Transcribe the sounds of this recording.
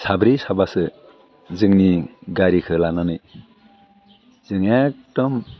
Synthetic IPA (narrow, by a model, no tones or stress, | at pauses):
sabɾisabasɯ | zɯŋniɡaɾikʰɯlananɯj | z̥ɯŋak̚tɔm